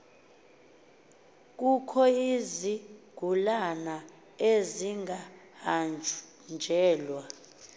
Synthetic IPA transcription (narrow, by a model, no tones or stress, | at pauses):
k̬ʼukʰɔiziɡ̥ʱulana | eziŋɡʱahand͡ʒʱ | nd͡ʒʱɛːlwa